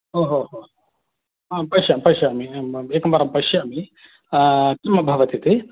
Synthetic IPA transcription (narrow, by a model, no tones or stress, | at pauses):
ɦoːɦoɦo | apɐjʃjɐmpɐʃɐːmieːkɐmbɐɾɐmpɐjʃjɐːmi | kimɐbʱɐʋɐt̪it̪i